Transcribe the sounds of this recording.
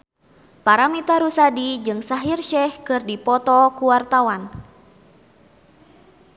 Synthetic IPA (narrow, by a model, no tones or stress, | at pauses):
paɾamit̪aɾusadid͡ʒɨŋsaɦirʃɛhkɨrdipɔt̪ɔkuwart̪awan